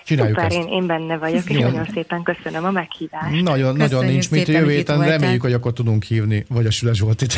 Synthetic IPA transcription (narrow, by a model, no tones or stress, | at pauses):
t͡ʃinaːjːukpɛɾeːneːmbɛnːɛvɒɟokeʃjoːjo̞nseːpɛŋkøsønømɒmɛkhiːvaːʃnɒɟonːɒɟo̞nːinɲt͡ʃminjøːeːt̪ɛnrɛmeːjːykhoɟɒkːo̞rt̪ud̪uŋkhiːvnivɒɟɒʃylɛʃ̬ʋo̞lt̪it̪